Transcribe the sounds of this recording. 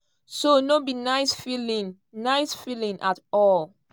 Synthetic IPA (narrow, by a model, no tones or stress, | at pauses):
sonobinaɪsfilĩŋ | naɪsfilĩŋʔatɔl